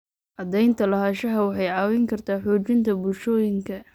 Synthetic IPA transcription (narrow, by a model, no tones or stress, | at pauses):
ʔɐd̪ɛjnt̪ʰɐlɐɦaːʃɐɦɐwɑħɑjʕɑːwɪŋkʰɐrt̪ʰaːħuːt͡ʃɪnt̪ʰɐbʊlʃɔːjɪŋkʰɐ